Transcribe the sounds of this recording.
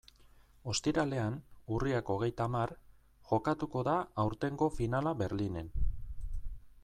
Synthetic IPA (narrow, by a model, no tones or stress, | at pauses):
o̞st̪iɾale̞anuriako̞ɣ̞e̞jt̪amar | ʝo̞kat̪uko̞ðaːwɾt̪e̞ŋɡo̞finalaβe̞ɾline̞n